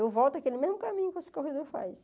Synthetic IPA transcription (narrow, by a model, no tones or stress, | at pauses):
evɔwt̪akelɪmezmʊkamĩɲʊkesɪ̥kohed̪oɾfa̰js